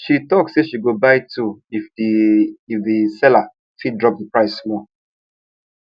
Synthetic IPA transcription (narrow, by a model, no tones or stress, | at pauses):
ʃitɔkseʃiɡobaɪtʰuifdiːfðisɛla | fidɹɔp̚dəpɹaɪsmɔ